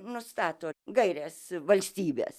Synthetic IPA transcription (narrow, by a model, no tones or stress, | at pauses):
nʊst̪ɑːt̪oːɡɐɪɾʲeːsʋɐlʲsʲt̪ʲiːbʲḛːs